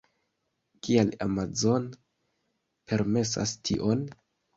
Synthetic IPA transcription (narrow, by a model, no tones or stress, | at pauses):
kiala̰mazo̞n | pʰe̞ɾme̞s̬a̰stʰiʔo̞n